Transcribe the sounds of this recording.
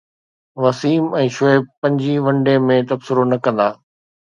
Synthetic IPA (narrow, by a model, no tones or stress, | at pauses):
ʋɐsiːmɛ̃ːʃoepɐ̃ɲd͡ʑiʋɐ̃ɳɖemẽt̪ɐbsɪɾonɐkɐ̃nd̪aː